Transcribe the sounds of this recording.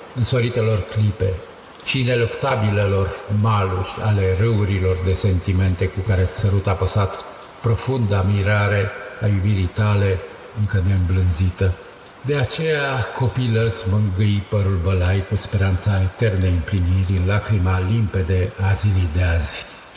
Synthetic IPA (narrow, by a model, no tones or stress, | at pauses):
ɨnsoɾit̪e̞lo̞rklipe̞ | ʃine̞lokt̪abilelo̞rmalurʲale̞rəuɾilo̞rd̪e̞se̞nt̪ime̞nt̪e̞kukaɾeat̪ʲsəɾut̪apəsat̪ | pɾo̞fund̪amiɾaɾe̞ajubiɾijt̪ale̞ | ɨŋkəne̞ɨmblɨnzit̪ə | d̪e̞at͡ʃe̞jako̞pilət̪sʲmɨŋɡɨjpəɾulbəlajkuspe̞ɾant̪saet̪e̞rneɨmpliniɾʲɨnlakɾimalimpe̞d̪eazilid̪eaz̥ʲ